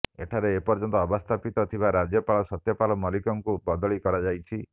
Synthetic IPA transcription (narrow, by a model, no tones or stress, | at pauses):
ḛʈʰaɾeːpɔɾd͡ʒɔnt̪ɔːbɔst̪ʰapit̪ɔt̪ʰibaɾad͡ʒjɔpalɔsɔt̪jɔpalɔmɔlikɔŋkubɔd̪ɔɭikɔɾad͡ʒajt͡ʃʰi